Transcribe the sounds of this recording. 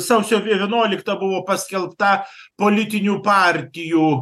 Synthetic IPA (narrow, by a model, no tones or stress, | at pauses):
sɐʊsʲoːʋʲiʋʲiɛnuɔlʲɪkt̪ɐbʊʋoːpɐsʲkʲɛlˠpt̪ɐpoːlʲɪt̪ʲɪnʲuːpɑːˑrʲt̪ʲɪjuː